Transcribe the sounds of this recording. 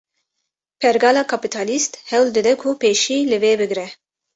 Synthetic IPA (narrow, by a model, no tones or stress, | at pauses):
pʰɛɾɡɑːlɑːkʰapit̪ʰɑːlist̪hɛwld̪ɨd̪ɛkʰupeːʃiːlɨveːbɨɡɾɛ